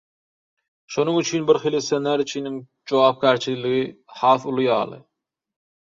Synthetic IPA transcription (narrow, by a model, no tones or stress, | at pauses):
ʃonɯŋyt͡ʃʰynbiɾχilisenːæɾyt͡ʃʰiniŋ | d͡ʒowɑːp̚kʲæːɾt͡ʃʰililiɣihɑːθulˠujɑ̰ːlˠɯ̰